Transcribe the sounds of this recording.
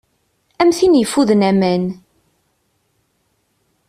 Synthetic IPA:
æmθinjəfːuðnæmæn

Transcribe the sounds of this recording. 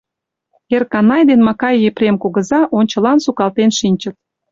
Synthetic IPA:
erkɑnɑjd̪enmɑkɑjːeprʲemkoɣə̆zɑʔonʲt͡ɕə̆lɑnsukɑlt̪enʃinʲt͡ɕə̆t̪̚

